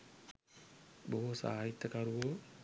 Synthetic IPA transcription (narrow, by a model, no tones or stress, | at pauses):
boɦusa̰ːait̪ːəkaɾuʋo